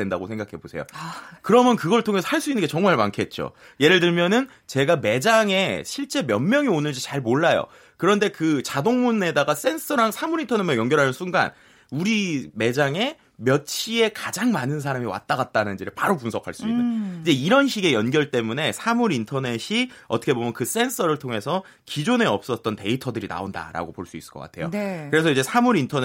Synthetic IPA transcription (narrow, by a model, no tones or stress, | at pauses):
e̞ndaɡosʰe̞ŋɡakʰe̞bosʰe̞̰jo̰kɯɾʌmjʌnkɯɡʌɭtʰoŋe̞sʰʌ̥haɭs͈uinːɯnŋɡet͡ɕʌŋmaɭmankʰe̞t̚t͡ɕ͈o̰ | je̞ɾɯɭdɯɭmjʌnɯn | t͡ɕe̞ɡame̞d͡ʑaŋe̞ɕʰiɭt͡ɕ͈e̞mjʌnmjʌŋionɯɭd͡ʑit͡ɕaɭmoɭːajo̰ | kɯɾʌnde̞kɯt͡ɕadoŋmune̞daɡas͈e̞ns͈ʰɯɾaŋsʰamuɾintʰʌnemejʌŋɡjʌɾɦanɯnsʰunɡa̰n | uɾime̞d͡ʑaŋe̞ | mjʌt͡ɕʰie̞kad͡ʑaŋmanɯns̬ʰaɾamiwa̰t͈aɡat̚t͈anɯnd͡ʑiɾɯɭpaɾopunsʰʌkʰaɭs͈uinɯnid͡ʑe̞iɾʌnɕʰiɡe̞jʌnɡjʌɭt͈e̞mune̞sʰamuɾintʰʌne̞ɕʰi | ʌtʰʌkʰe̞bomjʌnkɯs͈e̞nsʰʌɾɯɭtʰoŋe̞sʰʌ | kid͡ʑone̞ʌp̚s͈ʌt̚t͈ʌnte̞itʰʌdɯɾina̰onda̰ɾa̰ɡopoɭs͈uis͈ɯ̥ɭkʌk͈a̰tʰe̞jokɯɾe̞s̬ʰʌid͡ʑe̞sʰamuɾintʰʌn